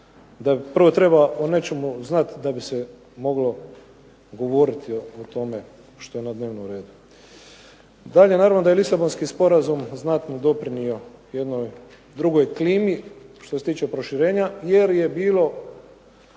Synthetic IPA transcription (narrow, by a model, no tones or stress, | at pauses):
d̪apr̩ʋo̞t̪ɾe̞baone̞t͡ʃe̞muznat̪d̪abise | mo̞ɡlo̞ | ɡo̞ʋo̞ɾit̪ʰioot̪o̞me̞ | ʃt̪o̞jenad̪ne̞ːʋnomɾe̞ːd̪u | d̪aʎenaːɾavʋno̞d̪ajelisabo̞nskispo̞ɾazumznat̪nod̪o̞pɾinio̞je̞d̪no̞j | d̪ɾuɡo̞jkliːmiʃt̪oset̪iːt͡ʃe̞pɾo̞ʃiɾe̞ːɲaje̞ɾje̞biːlo̞